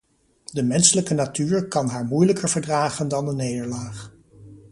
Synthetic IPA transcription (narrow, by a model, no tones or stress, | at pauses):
dəmɛnsələkənatyːɹkɑnɦaːɹmujləkəɹvəɹdraːχəndɑndənejdəɹlaːχ